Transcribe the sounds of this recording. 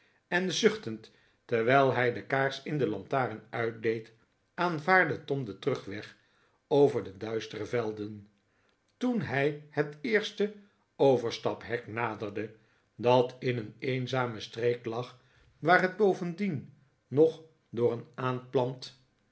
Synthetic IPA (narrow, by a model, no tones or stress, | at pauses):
ɛnzʏχtəntː | ɛɹʋɛjlˠɦɛjdəkaːɹsɪndəlɑntaːrənœɥt̚dejt | ʔaːnvaːɹdətɔmdətrɵχʋɛχ | owvəɹdədœɥstərəvɛlˠdən | tunɦɛjhətɪːɹstə | owvəɹstɑpɦɛknaːdərdə | dɑtʰɪnəneːnzaːməstrejklɑχ | ʋaːrɦəd̚bowvəndinː | ɔχ | dʊːrənaːnplɑnt